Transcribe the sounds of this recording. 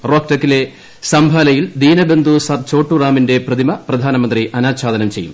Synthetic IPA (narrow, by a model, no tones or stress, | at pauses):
ro̞ːk̚ʈɐkːile̞ | sɐmbʱaːlɐjild̪iːnɐbe̞nd̪ʱusɐrt͡ɕo̞ːʈːuraːminde̞prɐd̪ʱimɐprɐd̪ʱaːnɐmɐnd̪riʔɐnaːt͡ɕʰaːd̪ɐnɐmt͡ɕe̞jːṵm